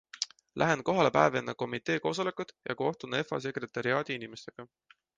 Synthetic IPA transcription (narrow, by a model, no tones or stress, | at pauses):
lʔæɦe̞nko̞ɦɑle̞pæːvenːɑko̞mit̪e̞ːko̞ːs̬o̞le̞kːud̪̥jɑ̰ko̞ht̪une̞fɑ̰s̬e̞kre̞t̪ːˑɑɾiɑːd̪̥iinimest̪e̞ɡ̥ɑ